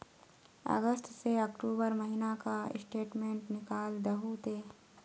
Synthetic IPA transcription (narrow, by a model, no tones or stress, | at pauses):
ɐ̰ɡəsʈ̪seɐkʈuːbəɾmɐɦinaka̰sʈeːʈmẽːɳʈnɪkaːld̪ɐɦut̪eː